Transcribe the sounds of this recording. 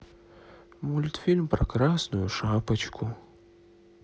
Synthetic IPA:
mulʲt̪fʲilʲmpɾɐkɾasnʊjʊʂapɐt͡ɕkʰʊ

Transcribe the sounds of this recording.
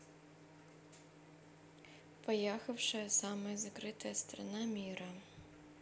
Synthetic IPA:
pɐjaxɐwʂɨsamɐjzɐkɾɪt̪ɐjɐst̪ɾɐ̰namʲiɾɐ

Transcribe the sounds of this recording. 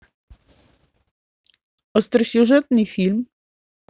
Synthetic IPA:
ɔst̪ɾsʲuʐɛt̪nɘfʲilm

